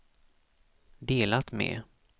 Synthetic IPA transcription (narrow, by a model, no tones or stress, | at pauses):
d̪eːlat̪mɛ̰